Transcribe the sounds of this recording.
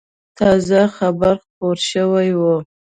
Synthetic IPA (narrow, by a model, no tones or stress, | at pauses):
t̪ʰɑzaxabaɾχpoɾʃəwajwə